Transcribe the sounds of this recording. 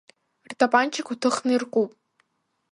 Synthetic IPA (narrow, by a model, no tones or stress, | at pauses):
rtʰʼapʼant͡ʃʰakutʰɨχnɨirqʷʼupʼ